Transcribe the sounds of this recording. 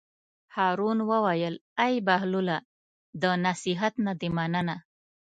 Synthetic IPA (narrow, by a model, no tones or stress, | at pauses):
hɑɾunwəwajəlajbaɦlula | d̪ənasiɦat̪nad̪emanəna